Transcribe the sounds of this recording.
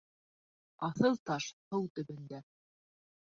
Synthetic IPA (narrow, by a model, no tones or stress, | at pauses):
ɑθɤlˠt̪ɑʃhɤwt̪ɵ̆βɘ̆nd̪æ